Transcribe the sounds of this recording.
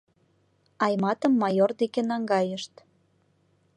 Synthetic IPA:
ɑjmɑt̪əmːɑjord̪ekenɑŋɡɑjəʃt̪

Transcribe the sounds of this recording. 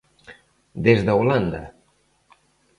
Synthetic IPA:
d̪ezðəwland̪a̰

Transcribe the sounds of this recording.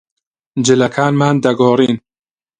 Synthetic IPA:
d͡ʒɪlɐkʰaːnmaːnd̪ɐɡɔːɾiːn

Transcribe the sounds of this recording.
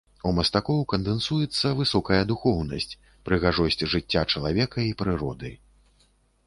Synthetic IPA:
umɐst̪akɔwkɐnd̪ɛnsujɛt̪sːɐvɨsɔkɐjɐd̪uxɔwnɐsʲt͡sʲ | pɾɨɣaʐɔsʲt͡sʲʐɨt͡sʲːat͡ʂɐlˠavʲɛkɐipɾɨɾɔ̰d̪ɨ̰

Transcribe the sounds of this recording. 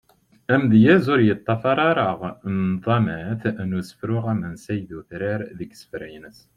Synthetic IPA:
æmðjæzʊɾjət̪ˤːɑfɑɾˤɑɾˤəʁnðˤɑmæθnusə̥fɾʊʁæmənsæjðuθɾiɾðəɡsə̥fɾæjnəs

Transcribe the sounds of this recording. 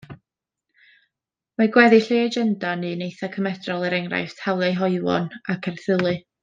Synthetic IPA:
maɡwɛðɨɬeːad͡ʒɛndanɨnejθakʰəmɛdrɔlˠɛɾɛŋra̰jθtʰawlˠɛjɦɔɨwɔ̰nakʰɛrθɨlˠɨ

